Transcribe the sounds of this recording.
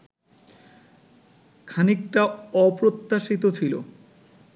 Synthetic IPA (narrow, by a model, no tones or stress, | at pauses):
kʰanik̚ʈaɔpɾot̪ːaʃit̪ot͡ɕʰilo̰